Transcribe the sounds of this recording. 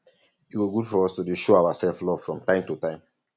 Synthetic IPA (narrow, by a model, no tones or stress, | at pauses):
itwiɡudfɔɹɔstudiʃoaʊasɛlflɔv̥fɹɔ̃mtãɪ̃mtutãɪ̃m